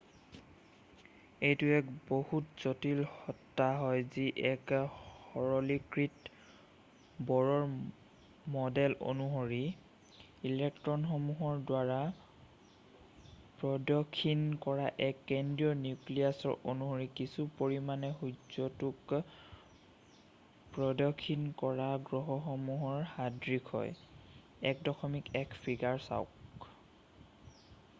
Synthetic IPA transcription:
ejtʊɛkbohutz̥otilhɔtːaɦɔjziʔɛkhɔɹɔlikɹit | bɔɹɔɹ | mɔdɛlʔo̰nuɦoɹi | ilɛk̚tɹɔnxɔmuɦɔɹdwaɹa | pɹɔdɔkʰːinkɔɹaʔɛkːɛndiɔnjukliasɔ̰ɹʔo̰nuɦoɹikisupoɹimanɛɦuzɔtuk | pɹɔdɔkʰːinkɔɹaɡɹɔɦɔxɔmuɦɔɹhadɹikʰɔ̰j | ɛkdɔxʰɔmikɛkpʰiɡaɹsa̰ʊ̰k

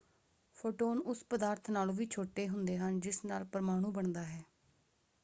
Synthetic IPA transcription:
pʰoːʈoːnʊspəd̪aːɾt̪ʰnaːlːʋiːt͡ʃʰoːʈeːɦʊnd̪eːɦənd͡ʒɪsnaːlpəɾmaːɽ̃ũːbəɳd̪aːɦɛː

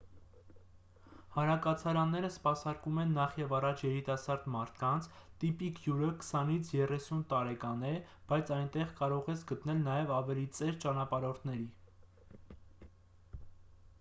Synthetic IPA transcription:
hɑnɾɑkɑt͡sʰɑɾɑnːɛɾəspɑsɑɾkumɛnːɑχjɛvɑrɑt͡ʃʰjɛɾit̪ɑsɑɾd̪mɑɾt̪ʰkɑnt͡sʰt̪ipikʰjuɾəkə̥sɑnit͡sʰjɛrɛsunt̪ɑɾɛkɑnɛ | b̥ɑjt͡sʰɑjnt̪ɛʁkɑɾɔʁɛt͡sʰɡət̪nɛlnɑjɛvɑvɛlit͡sɛɾt͡ʃɑnɑpɑɾɔɾt̪ʰnɛɾi

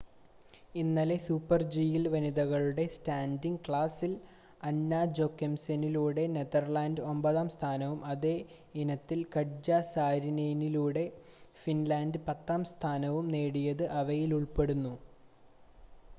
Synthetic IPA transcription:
inːɐle̞suːpːɐrd͡ʑijilʋɐniðɐɣɐɭuɽe̞staːndiŋɡkɭaːsil | ɐnːaːd͡ʑo̞kːɐmsɐniluːɽe̞neðɐrlaːndɨo̞mbɐðaːmst̪ʰaːnɐʋumɐðe̞ | inɐt̪ːilkɐɽd͡ʑaːsaːɾinejniluːɽe̞ | finlaːndɨpɐt̪ːaːmst̪ʰaːnɐʋumne̞ːɽijɐðɨʔɐʋɐjiluɭpe̞ɽunːu

